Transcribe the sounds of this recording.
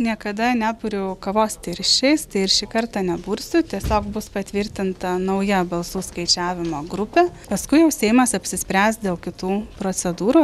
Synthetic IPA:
nʲiɛkɐd̪ɐnʲæːbʊɾʲʊkɐʋoːst̪ʲɪɾʲʃʲɛɪst̪ɐɪɪɾʃʲiːkɐɾt̪ɑːnʲɛbuːɾʲsʲʊt̪ʲiɛsʲoːkbʊspɐt̪ʲʋʲɪɾʲt̪ʲɪnt̪ɐnɐʊjɛbɐlˠsuːskɐɪt͡ʃʲæːʋʲɪmoːɡɾʊpʲɛpɐskʊɪjɛʊsʲɛɪmɐsɐpʲsʲɪsʲpʲɾʲæːst̪d̪ʲeːlˠkʲɪt̪uːpɾoːt͡s̪ʲɛd̪uːɾuː

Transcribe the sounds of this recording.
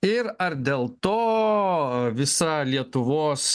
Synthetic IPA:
ɪɾɐɾd̪ʲeːlˠt̪oː | ʋʲɪsɐlʲiɛt̪ʊʋoːs

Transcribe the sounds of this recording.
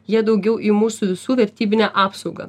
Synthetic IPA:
jiɛd̪ɐʊɡʲɛʊʔimuːsuʋʲɪsuːʋʲɛɾʲt̪ʲiːbʲɪnʲæːʔɑːpsɒʊɡɐ̰

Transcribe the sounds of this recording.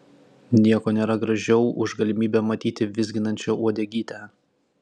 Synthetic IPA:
nʲiɛkoːnʲeːɾɐɡɾɐʒʲɛʊʔʊʒɡɐlʲɪmʲiːbʲɛmɐt̪ʲiːt̪ʲɪʋʲɪzʲɡʲɪnɐnʲt͡ʃʲoːuɔd̪ʲeːɡʲiːt̪ʲæ

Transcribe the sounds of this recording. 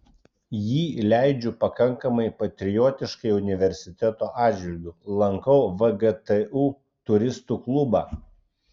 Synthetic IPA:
jiːlʲæˑɪd͡ʒʲʊpɐkɐŋˑkɐmɐɪpɐt̪ʲɾʲɪjoːt̪ʲɪʃkɐɪʊnʲɪʋʲɛɾʲsʲɪt̪ʲɛt̪oːʔɑːd̪d͡ʒʲʋʲɪlʲɡʲuːlˠɐŋkɒʊʋɐɡɛt̪ɛuː | t̪ʊɾʲɪst̪uːklˠʊbɑː

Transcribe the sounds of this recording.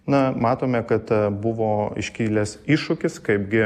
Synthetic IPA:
nɐmɑːt̪oːmʲɛkɐt̪bʊʋoːɪ̰ʃʲkʲiːlʲɛsɪʃʊkʲɪskɐɪp̚ɡʲɪ

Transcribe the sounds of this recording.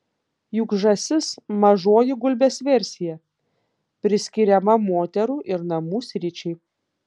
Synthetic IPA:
jʊɡʒɐsʲɪsmɐʒoɔjɪɡʊlʲbʲeːsʋʲɛɾʲsʲɪjɛ | pʲɾʲɪsʲkʲɪɾʲɛmɐmoːt̪ʲɛɾuːʔɪɾnɐmuːsʲɾʲɪt͡ʃʲɛɪ

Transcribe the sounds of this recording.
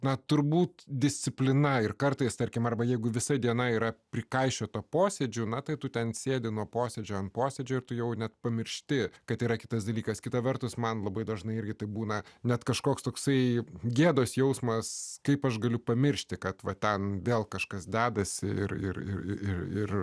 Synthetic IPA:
nɐt̪ʊɾbuːt̪d̪ʲɪsʲtt͡sʲɪpʲlʲɪnɐɪrkɐrt̪ɐɪst̪ɐɾʲkʲɪmɐrbɐjɛɪɡʊʋʲɪsɐd̪ʲiɛnɐiːɾɐpʲɾʲɪkɐɪʃʲoːt̪ɐpoːsʲed͡ʒʲʊnɐt̪ɐɪt̪ʊt̪ʲɛnsʲeːdʲɪnuɔpoːsʲɛd͡ʒʲoːɐntpoːsʲɛd͡ʒʲoːɪrt̪ʊjɛʊnʲɛt̪pɐmʲɪɾʲʃʲt̪ʲɪkɐt̪iːɾɐkʲɪ̥t̪ɐsd̪ɐlʲiːkɐskʲɪt̪ɐʋʲɛrt̪ʊsmɐnlˠɐbɐɪd̪ɐʒnɐɪɪrʲɡʲɪt̪ɐɪbuːnɐnʲɛt̪kɐʃkoːkst̪oːksɐɪɡʲeːd̪oːsjɛʊsmɐskɐɪpɐʃɡɐlʲʊpɐmʲɪɾʲʃʲt̪ʲɪkɐt̪ʋɐt̪ʲɛnʋʲeːlˠkɐʃkɐsd̪ʲæːd̪ɐsʲɪɪ̰rɪ̰rɪ̰ɪɪrɪr

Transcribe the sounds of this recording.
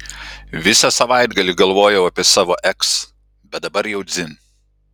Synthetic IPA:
ʋʲɪsɐsɐʋɑˑɪd̪ɡɐlʲɪɡɐlˠʋoːjɛʊɐpʲɪɛsɑːʋoːʔɛks | bʲɛt̪̚d̪ɐbɐɾjɛʊd̪zʲɪn

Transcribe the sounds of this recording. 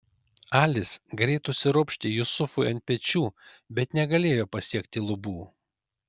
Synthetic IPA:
ɑːlʲɪsɡɾʲɛɪt̪ʊsʲɪɾʊpʲʃʲt̪ʲejʊsʊfʊɐnt̪̚ʲpʲɛt͡ʃʲuːbʲɛt̪nʲɛɡɐlʲeːjoːpɐsʲiɛkt̪ʲɪlˠʊbuː

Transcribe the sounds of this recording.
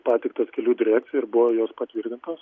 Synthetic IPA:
pɑːt̪ʲɛɪk̚t̪ɐskʲɛlʲuːd̪ʲɪɾʲæːkt̪sʲɪjɛɪɾbʊʋojoːspɐt̪ʲʋʲiːrʲt̪ʲɪnt̪oːs

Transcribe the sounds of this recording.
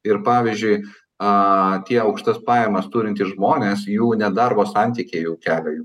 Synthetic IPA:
ɪɾpɑːʋʲizʲd͡ʒʲʊɪ | ɐt̪ʲiɛɐʊkʃt̪ɐspɑːjɛmɐst̪uːɾʲɪnʲt̪ʲisʒmoːnʲeːsjuːnʲɛd̪ɐrboːsɐnʲt̪ʲiːkʲejuːkʲæːlʲɛjuː

